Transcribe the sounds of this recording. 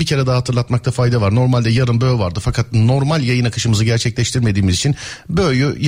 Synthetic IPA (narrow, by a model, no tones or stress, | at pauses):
bicʰe̞ɾɛd̪aɦat̪ʰɯɾlˠat̪mak̚t̪ʰafajd̪avaɾno̞ɾmalʲd̪ɛjaɾɯnbøːvaɾd̪ɯfakʰat̪̚no̞ɾmalʲjajɯnakʰɯʃɯmɯzɯɟæɾt͡ʃʰɛclʲɛʃt̪ʰiɾme̞d̪iːmizit͡ʃʰinbøjʲyj